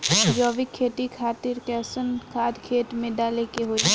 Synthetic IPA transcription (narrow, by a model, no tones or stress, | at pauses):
jɔːʋikʰːeːʈikʰaːt̪ɪɾkɛːsənkʰaːd̪kʰeːʈmẽɖaːlekeɦoi